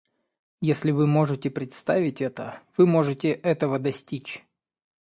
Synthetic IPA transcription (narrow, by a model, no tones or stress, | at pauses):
jesʲlʲɪvɨmo̞ʐɨtʲɪpɾʲɪt̪st̪avʲɪtʲɛt̪ə̰v̥ɨmo̞ʐɨtʲɪʔɛt̪əvəd̪ɐsʲtʲit͡ɕ